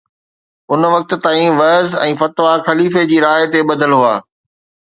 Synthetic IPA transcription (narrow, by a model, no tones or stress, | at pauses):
ʊnʋɐk̚t̪̆t̪aːĩʋɐzɛ̰̃ːfɐt̪ʋaxɐliːfed͡ʑiːɾaːt̪eɓɐd̪ʱəlɦʊaː